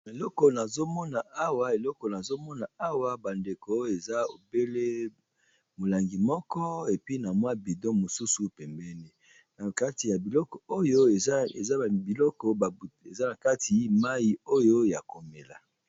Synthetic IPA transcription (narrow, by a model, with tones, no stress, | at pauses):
e˨lɔ˦kɔ˨na˨zo˦mɔ˦na˨a˦wa˨e˨lɔ˦kɔ˨na˨zo˦mɔ˦na˨a˦wa˦ba˨nde˨ko˨o˦e˨za˦o̰˨be˦le˦ | mo˨la˨ŋɡi˨mɔ˦kɔ˦e˨pi˦na˨mwa˦bi˨dɔ˦mo˨su˦su˨pɛ˨mbɛ˦ne˦ | na˨ka˦ti˨ja˨bi˨lɔ˦kɔ˨o˦jo˦˨˦ḛ˨za˦˨bi˨lɔ˦kɔ˨ḛ˨za˦na˨ka˦tʰi˨˦ma˦ji˨o˦jo˦ja˨ko˨me˨la̰˨